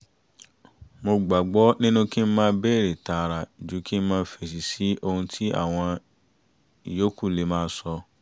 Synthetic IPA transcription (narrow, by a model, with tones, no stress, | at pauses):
mo˧ɡ͡ba˨ɡ͡bɔ˦nĩ˦nũ˦ki˦m̩˦mãː˦˧˦bɛ˦˨ɾe˨ta˨˧ɾa˨d͡ʒu˨˦ki˦m̩˦mãː˦˧˦fɛ˨s̬i˨si˨˦ʔo˧hũ˧tʰi˦a̰˦˨w̃ɔ̃˧ | i˨jo˨˦ku˦˨le˨˦mãː˦˧˦sɔ˧